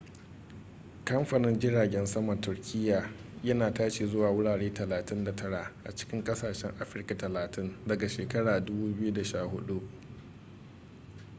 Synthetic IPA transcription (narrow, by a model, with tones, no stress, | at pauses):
kɐ˦mɸɐ˨nɪ˦nd͡ʒɪ˦ɽaː˨ɡʲɛ˦nsɐ˦mɐ˨tʊ˨rkʲʰɪ˦jːaː˨jɐ˦naː˨taː˦ʃeː˨zʊ˦waː˨wʊ˦ɽaː˨ɽeː˦tɐ˨laː˨tɪ˦nda˨tɐ˦ɽa˨ʔʔa̰˨t͡ʃɪ̥˦kʲɪ˦ŋkʼɐ˦saː˨ʃɛ˦ŋʔa˦ɸɪ˦rka˨tɐ˨laː˨tʰɪ˦ndɐ˨ɡa˨ʃeː˨kɐ˦ɽaː˨dʊ˦buː˦bɪ˦ju˦da˨ʃaː˦˨hʊ˦ɗu˦ʔ